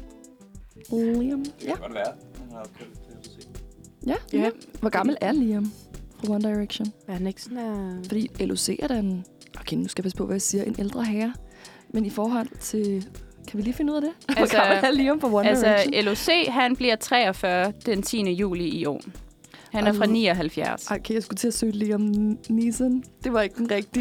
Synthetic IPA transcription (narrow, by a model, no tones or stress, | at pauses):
limjæ | jæʋɒɡ̥ɑ̈ml̩æɐliomfʁɑ̈wɔnd̥ɑ̈ɪʁeɡ̥ɕonhæneɡ̥sɔnfɒ̽d̥ḭːelʔose̝̰ːɐɾ̥ænʔɒkʰennusɡ̥æpʰæsə̥pʰɒ̽ʋʔæjɑsiːɐʔe̝nʔeld̥ʁɐɦæːɐ | menifɒːɦɒ̽l̰t͡sʰe̝ | kʰæʋiliːfe̝nəuð̰ˠæd̥e̝ʋɒɡ̥ɑml̩æɐliomfʁɑwɔnælselose̝̰ːɦænb̥liɐt͡sʰʁɛ̰ːɒfɶɐd̥ent͡sʰḭːnəjṵːliiɒ̰ːn | hænæɐfʁɑ̈nḭːɒɦælfjæɐsɑɪkʰḛjɑsɡ̥ut͡sʰe̝sø̰ːd̥eliːɒmnisənd̥e̝ʋɑ̈e̝ɡ̥əd̥enʁɛɡ̥̚d̥i